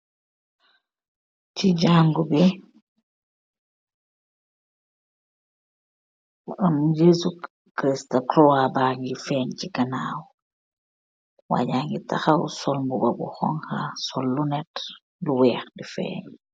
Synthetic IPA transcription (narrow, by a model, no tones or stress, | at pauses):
t͡ʃiɟaŋɡubi | amjesu | kɾistaklɔwabaːŋɡifɛɲt͡ʃiɡanaw | wa̰ɟaːŋɡita̰xawṵsɔlmbubabṵxɔ̰ŋhasɔlːunɛt | luwɛːxdifɛ̰ːɲ